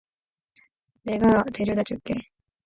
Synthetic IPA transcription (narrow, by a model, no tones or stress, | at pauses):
ne̞ɡat̪e̞ɾjod̪at͡ɕ͈uɭk͈e̞